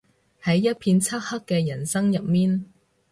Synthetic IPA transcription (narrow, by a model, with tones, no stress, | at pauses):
hɐ˨˥jːɐ˥t̚pʰiː˧nt͡sʰɐ˥t̚hɐ˥kːɛː˧jɐ˨˩nsɐ˥ŋjɐ˨p̚miː˥n